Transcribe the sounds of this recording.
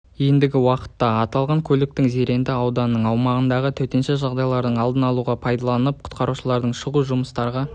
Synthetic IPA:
je̞nd̪ɪɡʲɪwɑqə̥t̪ːɑɑt̪ɑlˠʁɑŋkʲʰɵlɪk̚t̪ɪŋze̞ɾe̞nd̪ɪɑwd̪ɑnənːəɴɑwmɑʁənd̪ɑʁət̪ʰɵwt̪e̞nʃeʒɑʁd̪ɑjlˠɑɾd̪əɴɑlˠd̪ənɑlˠuʁɑpʰɑjd̪ɑlˠɑnəp̚qʰʊ̥t̪̚qɑɾuʃəlˠɑɾd̪əɴʃəʁuʒʊməst̪ɑɾʁɑ

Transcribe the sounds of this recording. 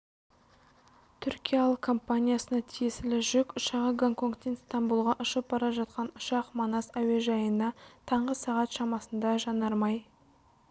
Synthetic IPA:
t̪ʰʏɾkʲijalˠəqkʰo̞mpanʲijasənɑt̪ʰije̞sɪlɪʒʏkʲʊʃɑʁəɡaŋko̞ŋkt̪ːenst̪ɑmbulˠʁɑʔʊʃəp̚bɑɾɑʒɑt̪qɑnʊ̥ʃɑqmonɑsæwe̞ʒɑjənɑt̪ʰɑɴʁəsɑʁɑt̪ʃɑmɑsənd̪ɑʒɑnɑɾmɑj

